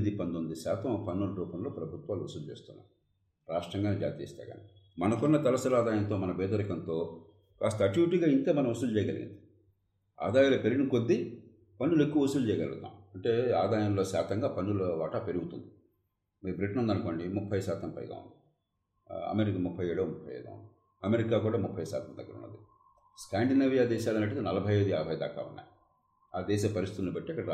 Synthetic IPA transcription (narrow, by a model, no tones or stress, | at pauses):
d̪ipɐnt̪ond̪usaːt̪ɐmpɐnːulɐɾuːpɐmlo̞ːpɾɐbʱut̪ʋaːluosulut͡ʃḛːst̪unːa̰ːmu | ɾaːʂʈɾɐŋɡaːned͡ʒa̰ːt̪iːst̪a̰ːɡa̰ːnḭ | mɐnɐkunːɐt̪ɐlɐsɐlaːd̪aːjɐnt̪oːmɐnɐbɛːd̪ɐɾikɐnt̪o̞ː | kaːst̪ɐːʈuʋiʈiːɡaːint̪eːmɐnɐmosult͡ʃɛːjɐɡɐliɡḭnd̪i̥ | a̰ːd̪aːjaːlɐpeɾinikod̪ːi | pɐnːulekːuʋɐusulut͡ʃɛːjɐɡɐlɡɐ̰d̪ːa̰ːmɐɳʈe̞ːaːd̪aːjɐmlo̞ːʃaːt̪ɐŋɡaːpɐnːulɐʋaːʈapeɾuɡut̪und̪i | miːɾubɾiʈɐnɐnd̪ɐnuko̞ːɳɖimupʰːɐjʃaːt̪ɐmpɐ̰jɡa̰ːṵnd̪i | ɐ̰meɾikɐmupʰːɐjeːɽoːmupʰːɐjḛːd̪ɡa̰ːṵnd̪i | ɐmeɾikaːkuːɽaːmupʰːɐjsa̰ːt̪ʰɐmd̪ɐ̰ɡːɐɾṵnːɐ̰d̪i | skaːɳɖinɐʋijaːd̪ɛːʃaːlɐnɐʈ̬ːɐd̪inɐlɐbʱɐjeːd̪uaːbʱɐjɐd̪a̰ːka̰ːunːa̰ːj | aːd̪ɛːʃ̬eːpɐɾist̪it̪unːibɐʈːiɐkːɐɽɐ